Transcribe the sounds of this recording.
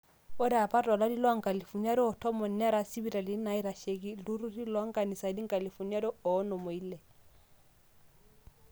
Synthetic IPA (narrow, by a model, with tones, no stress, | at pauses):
o˦ɾa˨pa˦ta˨la˦di˦lwŋ̩˨ka˨li˨fu˨ɲa˦ɾɔ˦ɔ˨tʰɔ˦mɔ˨na˦ɾa˨si˦bi˦˨ɾa˨li˨˦na˨i˦ɾa˨ʃe˨ki˦lu˦ɾu˦di˦lɔ˨˦ŋ̩˦ka˨ni˨sa˨di˦ŋ̩˦ka˨li˨fu˨na˦ɾɔ˦ɔ˨˦no˨mo˨i˦lɛ˨